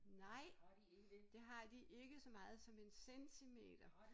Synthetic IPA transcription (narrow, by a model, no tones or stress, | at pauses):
nɑ̈ɪ̰ | d̥e̝ɦɑ̈d̥iʔe̝ɡ̥əsɒ̽mɑ̈ːð̞̩ˠsɒ̽me̝nsensʰimḛːd̥ɐ